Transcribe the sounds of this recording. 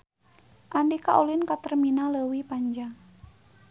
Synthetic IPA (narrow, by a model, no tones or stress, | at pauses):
ʔandikaʔolinkat̪ərminaləwipaɲd͡ʒaŋ